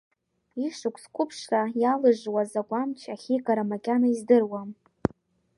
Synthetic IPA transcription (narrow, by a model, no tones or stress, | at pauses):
iʂʊkʷʰʼskʷʼʊpʰʂrajalɨʒwazaɡʷamt͡ʃʰaχʲikʼaɾamakʲʼanaizdɨrwam